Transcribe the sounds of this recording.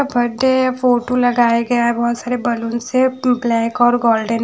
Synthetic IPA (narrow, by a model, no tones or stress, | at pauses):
abʱɐɖefoːʈolɐɡaːjaɡɐjaɦɛbɔɦʊt̪saːɾebɐlʊnseblɛːkɔːɾɡoːlɖən